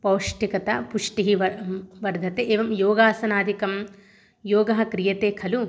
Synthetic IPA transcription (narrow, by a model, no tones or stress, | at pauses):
pɐwʂʈikɐt̪ɐpuʂʈiɦiʋɐʋɐɾd̪ʱɐt̪eʔeːʋɐmjoːɡaːsɐnaːd̪ʱikɐm | joːɡɐɦɐkɾijɐt̪eːkʰɐlu